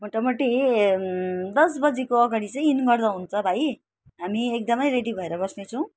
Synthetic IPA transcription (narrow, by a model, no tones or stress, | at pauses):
moʈʌmʌʈi | d̪ʌs̬bʌd͡zekoʌɡaɽit͡sʌj̃inɡʌrd̪aɦunt͡sʰʌbʱaj | ɦamiek̚d̪ʌmʌjɾeɽibʱʌeɾʌbʌsnet͡sʰʌw̃